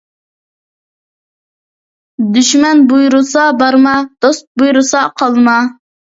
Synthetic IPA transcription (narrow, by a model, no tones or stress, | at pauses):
d̪yʃmɛnbujɾʊsɑbɑɾmɑd̪̥ost̪̚bujɾusɑqʰɑlˠmɑ